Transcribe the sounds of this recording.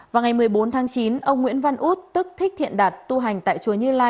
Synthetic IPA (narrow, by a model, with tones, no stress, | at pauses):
vaː˨˩wŋa˨˩jmɨ˨˩əjɓo˨˦nt̪ʰaː˨˦ŋt͡ɕi˨˦nʔə˧wŋ͡mŋwḭ˧˥ənva˧nʔu˦˥t̚t̪ɨ˦˥k̚t̪ʰi˦˥k̚t̪ḭ˧˨ənɗaː˨˩t̚t̪u˧ɦa˨˩jŋ̟t̪a̰ː˧˨jt͡ɕu˨˩əɲɨ˧laː˧j